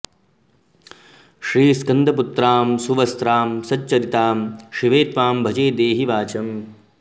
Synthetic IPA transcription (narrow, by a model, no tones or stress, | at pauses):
ʃɾiːskɐnd̪ʱɐput̪ɾaːmsuʋɐst̪ɾaːmsɐtːt͡ʃɐɾit̪aːmʃiʋeːt̪ʋaːmbʱɐd͡ʒeːd̪eːɦiʋaːt͡ʃɐm